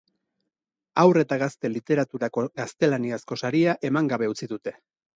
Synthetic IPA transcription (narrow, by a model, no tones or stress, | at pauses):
awre̞t̪aɣast̪e̞lit̪e̞ɾat̪uɾako̞ɡast̪e̞laniasko̞saɾiaʔe̞maŋɡaβe̞ut͡siðut̪e̞